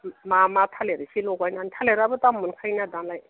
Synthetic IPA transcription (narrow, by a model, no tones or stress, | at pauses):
mamat̪ʰaleɾisʰiloɡɔjnanit̪ʰaleɾabət̪amunkʰajnad̪anlaj